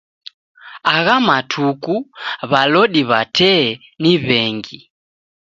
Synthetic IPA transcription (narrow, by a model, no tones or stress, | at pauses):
aɣamatʰukuβalɔɗiβatʰɛ | niβɛŋɡi